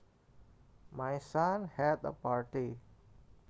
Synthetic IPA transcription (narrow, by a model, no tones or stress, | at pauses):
majsanhɛt̪ə̰paɹʈi